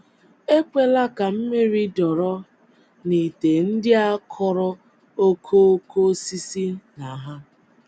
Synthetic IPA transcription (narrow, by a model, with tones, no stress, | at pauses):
e˦kʷe˦la˦ka˨m̩˦me˦ɾi˦dɔ˨ɾɔ˦ | ni˨te˨n̩˦dɪ˦a˦kʰɔ˨ɾɔ˦ | o˦kʰo˦kʰo˦si˦si˦na˨ɦa˦